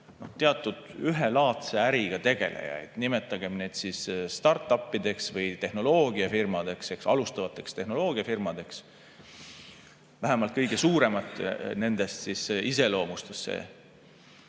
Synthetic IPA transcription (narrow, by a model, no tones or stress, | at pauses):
no̞̰ht̪e̞ɑt̪ˑːud̪̥yɦelɑːt̪seæɾiɡ̥ɑt̪e̞ɡ̥e̞lḛjɑ̰jid̪̥nime̞t̪ːˑɑɡ̥e̞mne̞d̪̥sisst̪ɑrt̪ːˑɑpːid̪̥e̞ksvɤjt̪e̞hno̞lo̞ːɡiɑfirmɑd̪̥e̞kse̞ksɑ̰lust̪ɑvɑt̪ːˑe̞kst̪e̞hno̞lo̞ːɡ̥iɑfirmɑd̪̥e̞ks | væɦemɑlt̪̚kɤjɡ̥e̞suːɾe̞mɑt̪ːˑne̞nd̪̥e̞st̪sisise̞lo̞ːmust̪esːḛː